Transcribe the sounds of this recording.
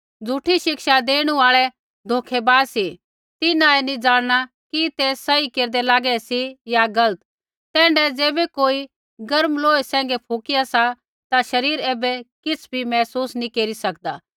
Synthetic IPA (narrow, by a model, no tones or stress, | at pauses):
d͡zʱuʈʰiʃɪkʃad̪eːɽ̃ũaːɭɛ | d̪ʱoːkʰɛbaːsi | t̪ɪnaɛnĩd͡zaːɽ̃ɽ̃a | kit̪eːɐikeːɾd̪ɛlaːɡɛsijaɡɐlət̪ | t̪ɛ̃ːɳɖɛd͡zeːbɛkoːi | ɡɐɾmloːesɛ̃ːŋ̆ɡɛpʰoːkɪjasa | t̪aʃɐɾiːɾeːbɛkɪt͡sʰbʱimɛːsuːsnĩkeːɾisɐk̚d̪a̰ː